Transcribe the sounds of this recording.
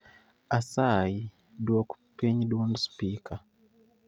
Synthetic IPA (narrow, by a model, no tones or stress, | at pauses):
asaji | dwoku̥peɲdonspika